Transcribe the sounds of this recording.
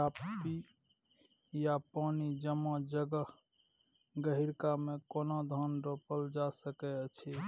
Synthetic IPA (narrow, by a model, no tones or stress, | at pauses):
apːi | japanid͡ʒəmɔd͡ʒəɡəɦ | ɡəɦiɾkamekonod̪ʱɔnɾopəld͡ʒasəkɛt͡ʃʰi